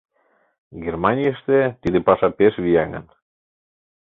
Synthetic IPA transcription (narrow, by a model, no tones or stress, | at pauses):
ɡermɑnʲijəʃt̪et̪id̪epɑʃɑpeʃβijæŋə̰n